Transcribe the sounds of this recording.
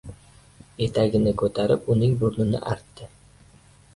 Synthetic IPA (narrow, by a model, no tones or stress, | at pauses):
e̞t̪ʰaɡʲɪnɪkʰɵt̪ʰaɾɪpʊnɪŋbʊɾnɪnɪ̰ʔaɾt̪ːɪ